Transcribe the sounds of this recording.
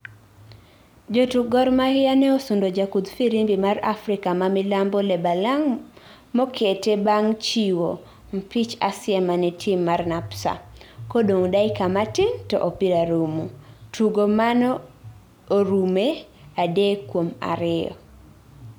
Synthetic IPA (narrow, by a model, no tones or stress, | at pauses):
d͡ʒotuɡɔrmahɪanɛosundod͡ʒakud̪fiɾimbimarafɾɪkamamɪlambɔlɛbalaŋ | mɔkʰetebaŋt͡ʃiwo | m̩pit͡ʃasɪamanɛtʰimːarnapsa̰kodoŋdaɪkamatɪntɔ̰ʔopiɾaɾumutʰuɡomanɔː | ɾume | adekwoma̰ɾɪjɔ̰